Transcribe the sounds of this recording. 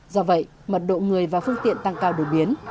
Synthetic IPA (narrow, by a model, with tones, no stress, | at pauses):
zɔ˧və̰˧˨j | mə˨˩t̚ɗo̰˧˨ŋɨ˨˩əjvaː˨˩fɨ˧əŋt̪ḭ˧˨ənt̪a˧ŋkaː˧wɗo˨˩jɓi˨˦ən